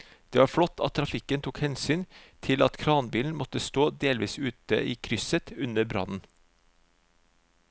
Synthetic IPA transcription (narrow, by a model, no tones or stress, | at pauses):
d̪̥eːʋɑːɾfɽɔt̪ʰːɑt̪ʰːɾɑfɪkənt̪ʰuːkhɛnsyːnt̪ʰɪlɑt̪kʰɾɑːnbiːln̩mɔt̪əst̪oːd̪eːlʋiːsʉːt̪ə̰ʔiːkʰɾʏsət̪ʉnəbɾɑ̰nn̩